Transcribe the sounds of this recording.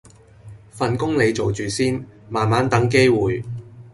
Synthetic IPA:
fɐ˨nkʊ˥ŋle˨˧jt͡so˨wt͡ʃyː˨˩siː˥n | maː˨nmaː˨˥nt̪ɐ˨˥ŋke˥jwuː˨j

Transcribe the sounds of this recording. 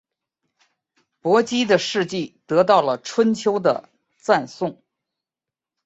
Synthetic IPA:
pwɔ˧˥t͡ɕi˥d̪ə˨ʂɻ̩˥˧t͡ɕi˥˩t̪ɤ˧˥t̪ɑ˥˩ʊlə˩ʈ͡ʂʰwə˥nt͡ɕʰjo˥ʊd̪ə̰˨ | t͡sa˥˧nsʊ˥˩ŋ

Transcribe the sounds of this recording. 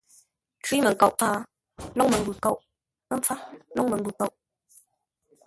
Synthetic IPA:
twi˨˦mə˨ŋka˨ʔfaː˦ | lɔ˦ŋmə˨ŋɡʉ˨ko˦˨ʔ | ə˦ɱp͡fa˦lɔ˦ŋmə˨ŋɡʉ˨ko˨˦˨ʔ

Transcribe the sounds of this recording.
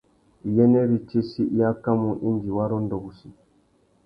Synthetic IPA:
i˨jɛ˦nɛ˦ɾi˦t͡ʃi˦si˦ʔja˦ka˦mu˨ʔi˦nd͡ʒi˨wa˦ɾɔ˦ndɔ˨bu˨si˨

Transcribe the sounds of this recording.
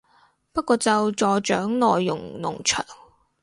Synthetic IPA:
pɐ˥t̚kɔː˧t͡sɐ˨wt͡sɔː˨t͡ʃœ̰ː˨˥ŋlɔː˨jːʊ̰˨˩ŋnʊ̰˨˩ŋt͡ʃʰœ̰ː˨˩ŋ

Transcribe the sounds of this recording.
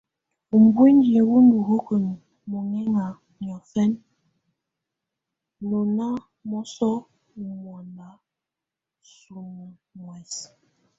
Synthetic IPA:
m̩˨bu˦n˦di˨wu˦n˦du˨hu˦kə˨n˨ | mo˨ŋɛ˦ŋa˨ | ɲ˨ɔ˨fɛ˦n | no˨na˦ | mɔ˦sɔ˦˨ | ŋɔ˨na˨˦ | su˨m˨ | mwɛ˨s

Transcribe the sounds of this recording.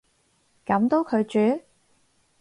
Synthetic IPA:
kɐ˨˥mt̪o˨˥wkʰɵ˨˧ɥt͡ʃyː˨˥

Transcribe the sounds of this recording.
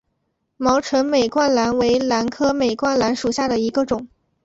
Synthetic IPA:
mɑ˧˥ʊʈ͡ʂʰɤ˧˥nme˨˩ɪkwa˥nla˧˥nwe˧˥ɪla˧˥nkʰɤ˥me˨˩ɪkwa˥˩nla˧˥nʂu˨˩ɕja˥˩d̪ə˩i˧˥ɡə˧ʈ͡ʂʊ˨˩˦ŋ

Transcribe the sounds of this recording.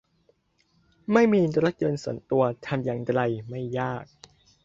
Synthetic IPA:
ma˥˩jmiː˧ɾa˦˥t̪̚jɤː˧nsu˩˦nt̪u˧ɐt̪ʰa˧mjaː˧ŋtɾa˧jma˥˩jːaː˥˩k̚

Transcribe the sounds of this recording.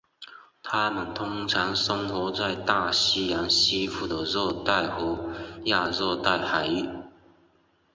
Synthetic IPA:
t̪ʰa˥mə˨˩nt̪ʰʊ˥ŋt͡sʰɑ˧˥ŋsə˥ŋxɔ˧˥t͡sa˥˧ɪt̪a˥˧ɕi˥ja˧˥nɕi˥fu˥˩d̪ə˨˩zɔ˥˧t̪a˥˩ɪhɔ˧˥˦ja˥˧zɔ˥˧t̪a˥˩ɪxa˨˩ɪy˥˩

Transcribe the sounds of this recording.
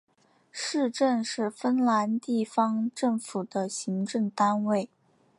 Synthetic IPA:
ʂɻ̩˥˧ʈ͡ʂə˥˧nʂɻ̩˥˩fə˥nla˧˥nt̪i˥˩fɑ˥ŋʈ͡ʂɤ˥˩ŋfu˨˩d̪ə˦ɕi˧˥ŋʈ͡ʂɤ˥˩ŋt̪a˥nwe˥˩ɪ

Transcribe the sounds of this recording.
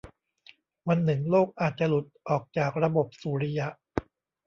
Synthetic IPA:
wa˧nːɯ˨˩ŋloː˥˩k̚ʔaː˨˩t̪̚t͡ɕa˨lu˨˩t̪̚ʔɔː˨˩k̚t͡ɕaː˨˩k̚ɾa˧bo˨˩p̚suː˨˦ɾi˧ja˦ʔ

